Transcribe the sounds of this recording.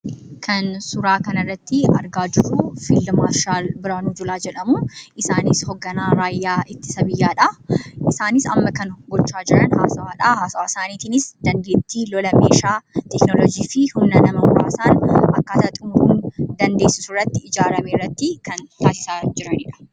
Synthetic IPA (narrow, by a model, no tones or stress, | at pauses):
kʰɐnsʊɾaːkɐnɐrːɐt̪ːɪɐɾɡaːd͡ʒɪrːufilːɐmaːʃaːlbɪɾaːnud͡ʒʊlaːd͡ʒɛᶑɐmuʔɪsaːnɪshɔɡːɐnaːɾaːjːaːɪt̪ːɪ̥sɐbɪjːaːᶑɐʔɪsaːnɪsɐ̰mːɐkɐnɡɔt͡ʃːaːd͡ʒɪɾɐnha̰ːsɐwaːᶑɐhaːsɐwaːsaːniːt̪iːnɪsd̪̥ɐnd̪eːt̪ːiːlɔlɐmeːʃaːt̪ɛknɔlɔd͡ʒiːfɪhʊnːɐnɐmɐwʊɾa̰ːsaːnɐkːaːt̪ɐt̪ʼʊmhʊnd̪ɐnd̪e̞ːsːɪsʊrːɐt̪ːɪɪd͡ʒaːɾɐmeːrːɐt̪ːɪkɐnt̪aːsɪ̥saːd͡ʒɪɾɐnɪᶑɐ̥